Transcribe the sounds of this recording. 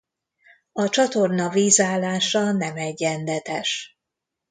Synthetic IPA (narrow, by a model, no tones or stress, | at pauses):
ɒt͡ʃɒt̪o̞rnɒviːzaːlːaːʃɒnɛmɛɟːɛnd̪ɛt̪ɛʃ